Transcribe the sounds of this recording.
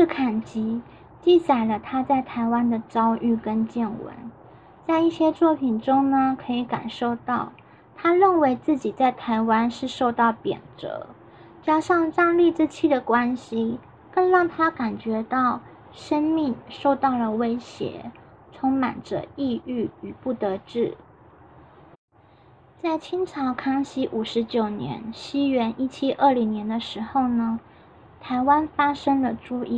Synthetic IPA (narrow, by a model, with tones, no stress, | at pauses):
ʂɻ̩˥˩kʰa˨˩nt͡ɕi˧˥ | t͡ɕi˥˩t͡sa˨˩ɪlə˦t̪ʰa˥t͡sa˥˩ɪt̪ʰa˧˥ɪwa˥nd̪ə˨ʈ͡ʂɑ˥ʊʔy˥˩kə˥nt͡ɕjɛ˥˩nwə̰˧˥n | t͡sa˥˧ɪi˥˩ɕjɛ˥t͡swɔ˥˩pʰi˨˩ŋʈ͡ʂʊ˥ŋnə˨kʰɤ˧˥i˧˥ka̰˨˩nʂo˥˧ʊt̪ɑ˥˩ʊ | t̪ʰa˥ɻə˥˩nwe˧˥ɪt͡sɹ̩˥˩t͡ɕi˨˩t͡sa˥˩ɪt̪ʰa˧˥ɪwa˥nʂɻ̩˥˧ʂo˥˧ʊt̪ɑ˥˩ʊpjɛ̰˨˩nʈ͡ʂɤ̰˧˥ | t͡ɕja˥ʂɑ˥˧ŋʈ͡ʂa˥˧ŋli˥˧ʈ͡ʂ̩˥˧t͡ɕʰi˥˩d̪ə˩kwa˥nɕi˨ | kə˥˧nɻɑ˥˩ŋt̪ʰa˥ka˨˩nt͡ɕɥɛ˧˥t̪ɑ˥˩ʊ | ʂə˥ŋmi˥˩ŋʂo˥˧ʊt̪ɑ˥˩ʊlə˩we˥ɪɕjɛ̰˧˥ | t͡sʰʊ˧˥ŋma̰˨˩nʈ͡ʂə̰˦i˥˧y˥˩y˨˩pu˥˩t̪ɤ˧˥ʈ͡ʂɻ̩˥˩ | t͡sa˥˩ɪt͡ɕʰi˥ŋʈ͡ʂʰɑ˧˥ʊkʰɑ˥ŋɕi˥ʔu˨˩ʂɻ̩˧˥t͡ɕjo˨˩ʊnjɛ̰˧˥nɕi˥ɥɛ˧˥nʔi˥˩t͡ɕʰi˥ʔə˥˩li˧˥ŋnjɛ˧˥nd̪ə˧ʂɻ̩˧˥xo˥˩ʊnə˩ | t̪ʰa˧˥ɪwa˥nfa˥ʂɤ˥ŋd̪ə˨ʈ͡ʂu˥˧i˥˩